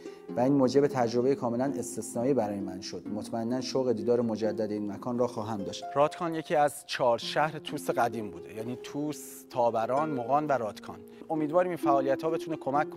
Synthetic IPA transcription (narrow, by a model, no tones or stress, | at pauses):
væiːnmoːd͡ʒe̞bet̪ʰæd͡ʒɾo̞be̞jekʰɒːme̞læne̞st̪esnɒːiːbæɾɒːjemænʃo̞d̪̥mot̪ʰmæenːænʃoɣe̞d̪iːd̪ɒːɾemod͡ʒæd̪ːæd̪e̞iːnmækʰɒːnrɒːxɒːɦæmd̪ɒːʃt̪rɒːt̪ʰkʰɒːnje̞cʰiːæzt͡ʃʰɒːɾʃæhɾet̪ʰuːseɣæd̪iːmbuːd̪ejæniːt̪ʰuːs | t̪ʰɒːbæɾɒːnmoɣɒːnvæɾɒːt̪ʰkʰɒ̰ːn | o̞miːd̪vɒːɾimiːnfæʔɒːlijæt̪hɒːbe̞t̪ʰunekʰo̞mækʰːon